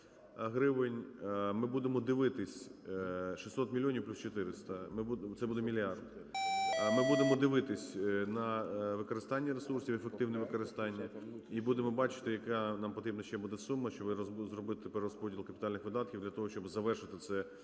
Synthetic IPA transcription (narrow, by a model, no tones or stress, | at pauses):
ɦɾɪʋɪnʲmɪbud̪emɔd̪ɪʋɪt̪ɪsʲ | ʃi̥sʲɔt̪mʲilʲjɔnʲiwplʲust͡ʃɔt̪ɪɾɪst̪ɐmɪbut̪ɛbud̪ɛmʲilʲjɑrd̪ | mɪbud̪emɔd̪ɪʋɪt̪ɪsʲnɐʋɪkɔɾɪst̪ɑnʲːɐɾesursʲiwefek̚t̪ɪwnɛʋɪkɔɾɪst̪ɑnʲːɐibud̪emɔbɑt͡ʃɪ̥t̪ɪjɐkɑnɑmpɔt̪ɾʲibnɐʃt͡ʃɛbud̪ɛsumːɐʃt͡ʃɔbzrɔbɪt̪ɪpɛrːɔspɔdʲilˠkɐpʲɪt̪ɑlʲnɪxʋɪd̪ɑt̪kʲiwd̪lʲɐt̪ɔɦɔʃt͡ʃɔbzɐʋɛrʃɪt̪ɪt̪sɛ